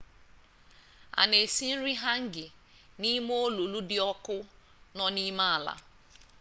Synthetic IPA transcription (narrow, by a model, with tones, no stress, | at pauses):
a̰˨ne˨si˦n̩˦ɾi˦ɦa˦ŋ̩˦ɡɪ˨ | ni˦m˦o˦lo˨lu˦dɪ˦ɔ˦kʊ˦ | nɔ˦ni˦ma˦a˨la̰˨